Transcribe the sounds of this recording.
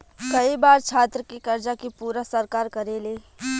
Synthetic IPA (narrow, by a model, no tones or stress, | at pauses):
kɐibaːɾt͡ʃʰaːt̪ɾəkikɐɾd͡ʒakipuːɾasəɾkaːɾkɐɾeːleː